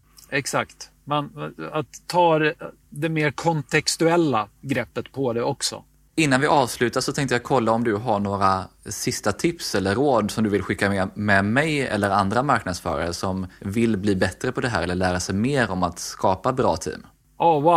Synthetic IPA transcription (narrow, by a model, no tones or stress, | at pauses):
ɛksakt̪ | mɛnat̪ʰːɑː | d̪ɛmeːɾkʰɔnt̪ʰɛkst̪ɵɛlːaɡɾɛpːət̪pʰɔd̪ɛɔksɔ̰ | ɪnːanvɪʔɑːvslʉ̟ːt̪ad̪sɔt̪ʰɛ̃ŋkt̪əjakʰɔlːaɔmd̪ɵɦaɳoːɾasɪst̪at̪ʰɪpsɛlːəɾoːd̪sɔmd̪ɵvɪlɧɪkːamɛmɛmɛjɛ̰lːəɾand̪ɾamaɾknad̪sfœ̰ːɾa̰ɾəsɔmvɪlbliːbɛt̪ɾəpʰɔd̪ɛɦæ̰ːɾɛlːəɭæːɾasɛjmeːɾɔmat̪skɑːpabɾɑ̰ːt̪ʰḭːm | awa